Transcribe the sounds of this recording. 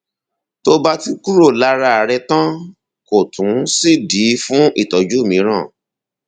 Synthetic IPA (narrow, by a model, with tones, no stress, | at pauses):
to˦ba˦ti˦ku˦ɾo˦˨la˧ɾa˧˨ɾɛ˧tã˦ | ko˨tʰũ˨˦si˦˨di˨˦fũ˦ʔi˦˨tɔ˨d͡ʒu˦˨mĩ˧˦ɾ̃ã˦˨